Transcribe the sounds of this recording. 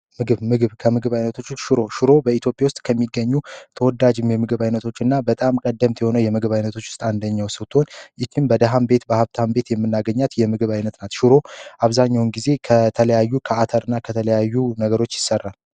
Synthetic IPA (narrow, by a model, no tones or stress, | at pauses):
mɨɡɨβmɨɡɨβkʰəmɨɡɨβajnət̪ʰo̞t͡ʃːsʃɨɾo̞ʃɪɾo̞bəit̪jo̞pʼjawst̪ʼkʰəmːiɡːəɲːut̪ʰəwɔd̪ad͡ʒɪmjɛmɨɡɨβajnət̪ʰo̞t͡ʃːɨnːabət̪ʼamkʼəd̪ːəmt̪jɛho̞nəwjɛmɨɡɨβajnət̪ʰo̞t͡ʃːʊst̪ʼand̪əɲːawsɨwt̪ʰo̞nʔɪt͡ʃʰɪmbəd̪aɦambe̞t̪bəhaβt̪ʰambe̞t̪jɛmːɨnːaɡəɲːat̪jɛmɨɡɨβajnət̪nat̪ʃɨɾo̞ʔaβzaɲːawnɡize̞kʰət̪ʰələjajːukʰəat̪ʰəɾɨnːakʰət̪ʰələjajːunəɡəɾo̞t͡ʃːjɪsərːal